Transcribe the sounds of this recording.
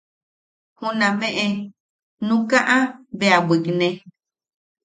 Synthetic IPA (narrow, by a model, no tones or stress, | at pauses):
hũnãmẽʔe | nũkaʔãβeabiknẽ